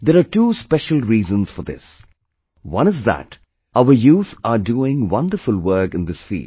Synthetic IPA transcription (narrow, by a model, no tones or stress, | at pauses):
d̪ɛɾaːʈuːspɛʃəl̩ˠɾiːzə̃nz̥fɔɾd̪ɪ̰s | wʌ̃ñəzðæ̰t | aʊəɾjuːt̪aɾɖuːɪ̃ŋwʌ̃nɖəfʊlwəɾkɪ̃nd̪ɪsfḭːl